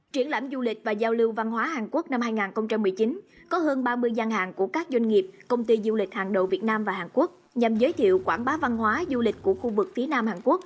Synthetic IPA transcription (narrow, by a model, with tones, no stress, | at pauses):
t͡ɕwi˧˩ənla̰˧˩mzu˧lï˨˩k̟̚vaː˨˩zaː˧wlɨ˧wva˧nɦwaː˨˦haː˨˩nku˦˥ək̚na˧mhaː˧jŋaː˨˩nxə˧wŋ͡mt͡ɕa˧mːɨ˨˩əjt͡ɕi˨˦n | kɔ˨˦ɦəː˧nɓaː˧mɨ˧əjzaː˧ŋɦa̰ː˨˩nku˧˩əkaː˦˥k̚zwa˧jŋ̟ŋi˨˩əp̚kə˧wŋ͡mt̪i˧zu˧lï˨˩k̟̚haː˨˩nɗə̰˧˨wvi˨˩ət̚naː˧mvaː˨˩haː˨˩nku˦˥ək̚ | ɲa˨˩mzəː˨˦jt̪ʰḭ˧˨əwkwa̰ː˧˩nɓaː˨˦va˧nɦwaː˨˦zu˧lï˨˩k̟̚ku˧˩əxu˧vɨ˨˩k̚fi˨˦naː˧mhaː˨˩nku˦˥ək̚